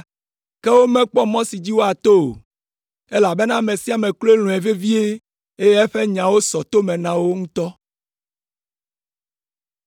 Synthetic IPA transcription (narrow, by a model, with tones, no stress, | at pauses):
kɛ˦wo˦mɛ̃˦k͡pɔ˦mɔ̃˦si˨d͡ʑi˦wo˦a˨t̪o˦o̰˨ | e˦la˨be˦nã˦˨mẽ˨si˦a˨mẽ˨klo˦e˦lũ˨e˨ve˦vi˦e˦ | e˦je˦ɛ˦ɸe˦ɲã˨wo˦sɔ˨t̪o˦mɛ̃˨nã˨wo˦ŋũ˦t̪ɔ˦